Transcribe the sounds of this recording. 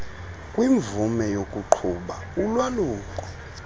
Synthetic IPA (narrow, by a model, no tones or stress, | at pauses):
kʼwiɱb̪vumɛjokʼuǃʰuɓa | ulwaluːkʼɔ